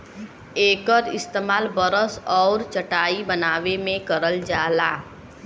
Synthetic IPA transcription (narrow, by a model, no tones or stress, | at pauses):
eːkəɾɪst̪eːmaːlbəɾəsɔːɾt͡ʃɐʈaːibənaːʋemẽkəɾəld͡ʒaːlaː